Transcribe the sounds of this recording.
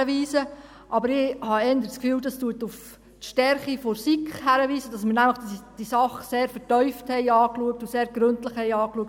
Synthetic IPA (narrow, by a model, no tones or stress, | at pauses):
əʋiːsə | ʔɑbəɾɪhɑɛndəskfyːldɑstuətuf | tʃtɛɾχifosikχhæɾəʋiːsəd̥ɑsmɪnæmləχdsd̥isɑχseːɾfətœʏfthɛɪɑːkluək̚tuseːɾɡ̥ɾɵntləχhɛɪɑːkluək̚t